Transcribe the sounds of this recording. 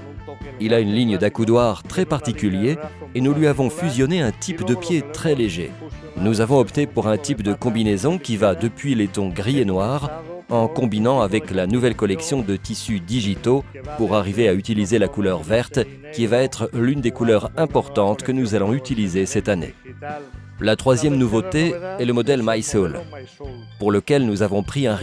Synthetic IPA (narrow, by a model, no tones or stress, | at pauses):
ilaynliɲəd̪akud̪waʁt̪χɛpaʁt̪ikʲyljeːnulɥiavɔ̃fyzjɔneɛ̃t̪ʰipd̪əpjet̪χɛleʒḛ | nuzavɔ̃ɔpt̪epuʁɛ̃t̪ipd̪əkɔ̃binezɔ̃kʲivad̪əpɥilet̪ɔ̃ɡʁienwaʁɑ̃kɔ̃binɑ̃avɛklanuvɛlkɔlɛksjɔ̃d̪ət̪isyd̪iʒit̪o | puʁaʁiveayt̪ilizelakulœʁvɛʁt̪ | kʲivaɛt̪χlynd̪ekulœʁɛ̃pɔʁt̪ɑ̃t̪kənuzalɔ̃yt̪ilizesɛt̪anḛ | lat̪χwazjɛmnuvot̪eɛləmɔd̪ɛlmajsol | puʁləkʲɛlnuzavɔ̃pχiɛ̃